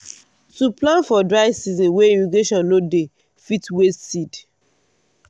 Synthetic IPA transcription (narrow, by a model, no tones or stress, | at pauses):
tuplãnfɔdɹaɪvsizɔ̃nweinuɡeʃɔ̃nːode | fitwestsid